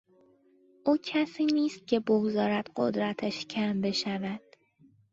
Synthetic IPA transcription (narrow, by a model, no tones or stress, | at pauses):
ʔuːcʰæsiːniːst̪̚cʲʰe̞boɡzɒːɾæd̪̥ɢo̰d̪ɾæt̪ʰæʃcʰæmbe̞ʃævæd̪̥